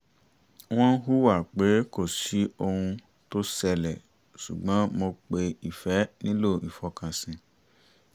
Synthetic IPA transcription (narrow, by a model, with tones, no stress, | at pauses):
w̃ɔ̃˦n̩˦ɦu˦wa˦˨ɾk͡pe˨˦ko˦˨si˨˦o˧hũ˧ | to˦sɛ˧lɛ˨ | su˨ɡ͡bã˨˦mo˧k͡pe˧i˨fɛ˨˦nĩ˦lo˦˨i˨fɔ˧kã˧sĩ˨